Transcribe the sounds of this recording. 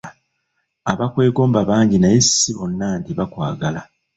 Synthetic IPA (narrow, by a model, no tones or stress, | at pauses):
aβakwe̞ːɡo̞ːmbaβaːɲɟinajesːiβo̞nːaːntiβakwa̰ːɡala